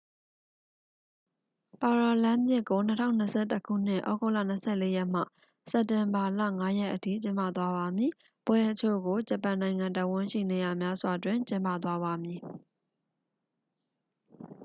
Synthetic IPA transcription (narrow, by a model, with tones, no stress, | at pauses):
pa˨ɹa˨lã˦mjɪ˦ʔkːo˨nətʰã̰˦˨ʊ̃nːə˨sʰɛ̰˦˨təkʰṵ˦˨n̥ɪ̰̃˦˨ʔɔ̰˦ɡo˦˨la̰˦˨n̥əsʰɛ̰˦˨le˦jɛ˦˨m̥a̰˦˨ | sɛ˨ptɪ̃˨mba˨la̰˦˨ŋa˦jɛ˦ʔətʰḭ˦˨t͡ɕɪ̃˦mpä̰˦˨t̪wa˦βa˨mji˨ | pwɛ˦ʔət͡ɕʰo̰˦˨ɡo˨d͡ʑə˨pã˨nã˨ɪ̃ŋã˨nta˦˨ɪ̃wʊ̃˦˨ʃḭ˦˨ne˨ja˨mja˦zwa˨dwɪ̃˨ɲt͡ɕɪ̃˦mpä̰˦˨t̪̬wa˦βa˨mji˨